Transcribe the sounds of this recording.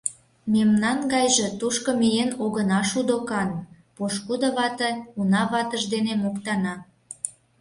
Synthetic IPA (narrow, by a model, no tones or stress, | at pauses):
memnɑnɡɑjʒe̽t̪uʃkŏmijenoɣənɑʃud̪okɑn | poʃkud̪ə̆βɑt̪əunɑβɑt̪əʒd̪enemokt̪ɑnɑ